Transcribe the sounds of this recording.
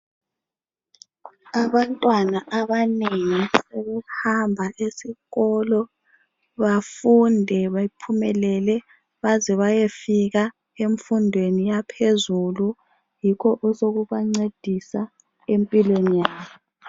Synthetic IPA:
aβantʼwanaʔaβaneŋisɛβɛhambʱaʔesiɣɔlɔ | βafundʱɛβaipʰumɛlɛlɛ | βazɛβajefiɣa | eɱfundʱwenijapʰezulu | jikʰɔʔɔsoɣuβaŋ͡ǀed̥ʱisa | empʼilwenijaːβɔɔ

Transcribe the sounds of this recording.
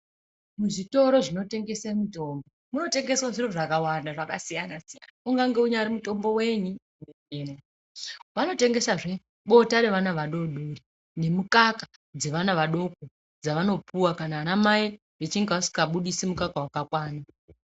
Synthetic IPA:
muʐito̞ɾo̞ʐino̞te̞ŋɡe̞semuto̞ːmbomuno̞te̞ŋɡe̞swaʐiroʐakawandaʐakasijanasija̰nauŋɡaŋɡe̞uɲaɾimuto̞mbo̞we̞ɲu | neɲeːma | ʋano̞te̞ŋɡe̞saʐe̞ | ɓo̞taɾe̞ʋanaʋaɗo̞ɗuri | ne̞mukaka | d͡ze̞ʋanaʋaɗo̞k̚o | d͡zaʋano̞puwakanaːnamai | ʋet͡ʃiŋɡausi̥kaɓuɗisimukakawakakwaːna

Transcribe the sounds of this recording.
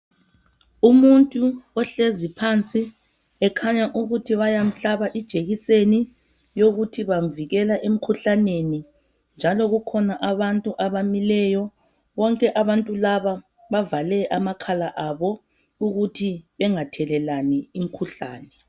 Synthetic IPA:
umuntʼuɔɬezipʰant͡sʼi | ɛkʰaɲaʔuɣutʰiβajam̩ɬaβaʔid̥ʒ̥ʱeɣiseni | joɣutʰiβam̩viɣɛlaʔem̩kʰuɬaneni | nd͡ʒʱalɔɣukʰɔnaʔaβantʼuʔaβamilɛjɔ | βɔŋkʼɛʔaβantʼulaβa | βavalɛʔamakʰalaʔaβɔ | uɣutʰiβɛŋatʰɛlɛlaniːm̩kʰuɬa̰ːnɛ

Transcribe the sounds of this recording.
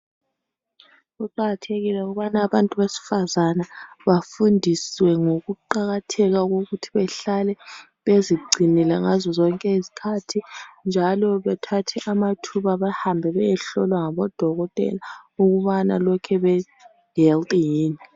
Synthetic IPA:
ɣuǃaɣatʰeɣilɛuɣuβanaːβantʼuβesi̥fazanaβafundʱiswɛŋoɣuǃaɣatʰɛɣaɣoɣutʰi̥βɛɬalɛ | βeziɡ͡ǀʱinilɛŋazɔzɔŋkʼɛizi̥kʰatʰind͡ʒʱalɔβɛtʰatʰɛʔamatʰuβaβahambʱɛβɛjɛɬɔlwaŋaβɔd̥ʱɔɣɔtʼɛ̰lauɣuβana̰lɔkʰɛβɛ | ɡɛltʼjiːni

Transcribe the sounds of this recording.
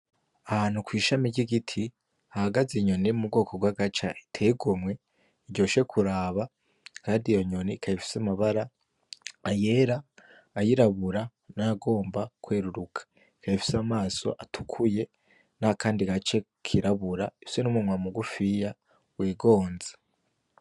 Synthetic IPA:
ahaːn̥ukwiːʃamiɟiɡitʰi | ahaɡaziɲo̞neumub̚ɡo̞ːko̞ɡwaɡat͡ʃa̰itʰe̞iɡomwe̞ | iɟɟo̞ːʃe̞kʰuɾaːβa | kaːndijoɲo̞nikʰaifi̥samaβaɾa | aje̞ɾaː | jiɾaβuɾa | naɡo̞ːmbakwe̞ːɾuɾukʰḁ | ikajifi̥samaːso̞̰ʔatʰukʰuje̞ | nakaːndiɡat͡ʃe̞ | kʰiɾaβuɾaisenumumwamuɡufija | wiːɡo̞ːnze̥

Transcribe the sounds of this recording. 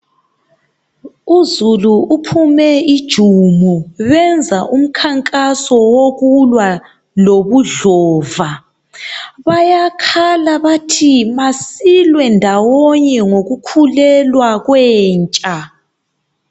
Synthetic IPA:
uzuluːpʰumɛid̥ʒ̥ʱumuβɛnd͡zʱaʔum̩kʰaŋkʼasɔwoɣulwa | loβuɮɔːva | βajakʰalaβatʰimasilwɛndʱawɔɲɛŋoɣukʰulɛlwaɣwɛːnt͡ʃʼa

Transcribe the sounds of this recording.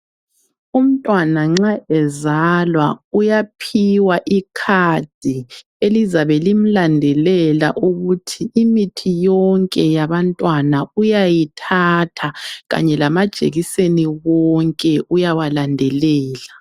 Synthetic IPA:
um̩tʼwanaŋ͡ǁaʔɛzalwaujapʰiwaʔikʰad̥ʱi | elizaβɛlim̩landʱɛlɛla̰ʔuɣutʰiːmitʰijɔŋkʼɛjaβantʼwanaujajitʰatʰaɣa̰ɲɛlamad̥ʒ̥ʱḛɣiseniɣɔŋkʼɛujawalandʱɛlɛːla

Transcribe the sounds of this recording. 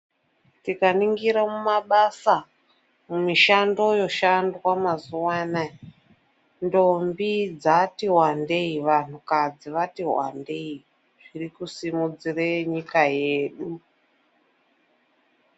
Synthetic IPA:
tikaniŋɡiɾamumaɓasa | mumiʃando̞jo̞ʃandwamazuwana | ndombid͡zatiɦwandeiʋan̤ukad͡ziʋatiɦwa̰ndei | ʐ̥irikusimud͡zireɲikaje̞ːɗu

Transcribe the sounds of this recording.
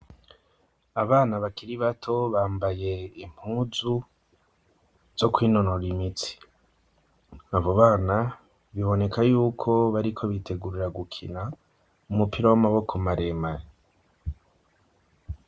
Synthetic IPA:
aβaːnaβakiɾiβatʰo̞βaːmbaje̞im̥huːzu | z̥o̞kwiːnonoɾimit͡si̥ | aβo̞βaːna | βiβo̞ne̞kʰajuːkʰo̞βaɾikʰo̞βitʰe̞ɡuɾiɾaɡukʰina | umupiɾawamaβo̞kʰo̞maɾe̞maɾe

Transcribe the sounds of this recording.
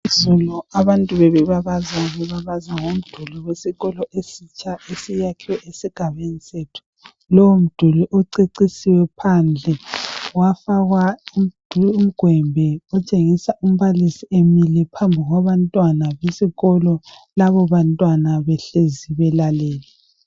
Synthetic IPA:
izɔlɔaβantʼuβɛβɛβaβazaβɛβaβazaŋom̩d̥ʱuluwesiɣɔlɔʔesit͡ʃʰʼaesijakʰiwɛʔesiɡ̥ʱaβenisetʰu̥ | lɔwom̩d̥ʱuluʔoǀeǀisiwɛpʰand͡ɮʱɛwafaɣwaid̥ʱuum̩ɡ̥ʱwɛmbʱɛɔt͡ʃʼeŋisaʔum̩βalisiemilɛpʰambʱiɣwaβantʼwanaβesiɣɔlɔ | laβɔβantʼwanaβɛɬeziβɛlalɛːlɛ

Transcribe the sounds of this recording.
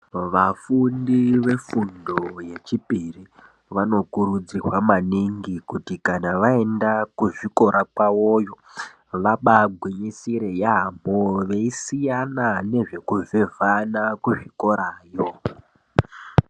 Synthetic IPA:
ʋafundiʋe̞fundo̞je̞t͡ʃipiri | ʋano̞kuɾud͡zirwamaniŋɡikutikanaʋae̞ndakuʐiko̞ɾakwawojo̞ | ʋaɓaɡʱwiɲisiɾe̞jamoʋe̞isijanane̞ʐe̞kuvevʱanakuʐiko̞ɾaːjo

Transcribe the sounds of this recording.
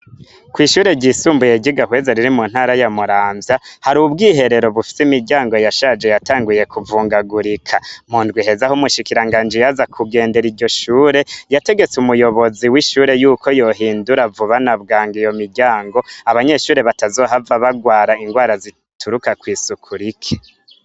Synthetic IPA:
kwiːʃuːɾe̞ɟisuːmbuje̞ɟiɡahwe̞zaɾiɾimun̥haːɾajamuɾaːmvjahaɾubɡiːɦe̞ɾe̞ɾo̞βufi̥simiɾɟaːŋɡo̞jaʃaːd͡ʒe̞jataːŋɡuje̞kuvuːŋɡaɡuɾikʰamuːndɡwiɦe̞zahomuʃikiɾaŋɡaːnd͡ʒijazakʰuɡe̞ːnde̞ɾiɾɟo̞ʃuːɾe̞jate̞ɡe̞t͡sumujo̞βo̞ziwiʃuːɾe̞juːkʰo̞jo̞ɦiːnduɾavuβanaβɡaːŋɡijo̞miɾɟaːŋɡo̞aβaɲe̞ʃuːɾe̞βatazo̞ːɦavaβaɡwaːɾaiŋɡwaːɾazi | tʰuɾukakwiːsukʰuɾikʰe̥

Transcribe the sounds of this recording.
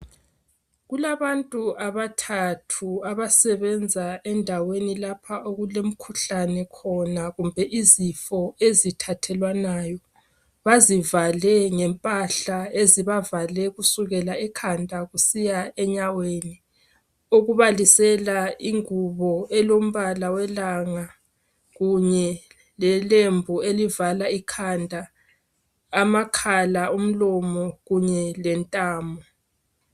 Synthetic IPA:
ɣulaβantʼuaβatʰatʰuaβasɛβɛnd͡zʱaɛndʱawenilapʰaʔoɣulem̩kʰuɬanɛkʰɔnaɣumbʱɛʔizifɔezitʰatʰɛlwanajɔ | βazivalɛŋɛmpʼaɬaeziβavalɛɣusuɣɛlaɛkʰandʱaɣusijaɛɲaweni | oɣuβalisɛlaiŋuβɔɛlom̩βalawɛlaŋa | ɣuɲɛ | lɛlembʱuelivalaikʰandʱa | makʰalaum̩lɔmɔɣuɲɛlɛntʼaːmɔ

